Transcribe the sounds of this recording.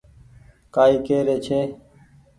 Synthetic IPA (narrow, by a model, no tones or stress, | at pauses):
kaːiːkeːɾeːt͡ʃʰeː